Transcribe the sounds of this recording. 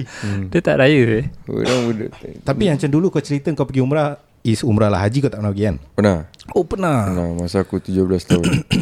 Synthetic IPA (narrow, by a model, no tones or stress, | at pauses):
diət̪a̰ʔɾajəḛɾaŋudəʔt̪t̪apimat͡ʃamdulukat͡ʃəɾit̪əŋkawpəɡiumɾa | isumɾalaɦad͡ʒikat̪aʔpənapəɡianpənahopənaənamasakut̪ud͡ʒoblast̪aun